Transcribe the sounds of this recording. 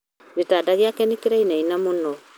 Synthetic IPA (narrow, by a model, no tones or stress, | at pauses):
βetaːdaɣeakɛnikeɾainainamonɔ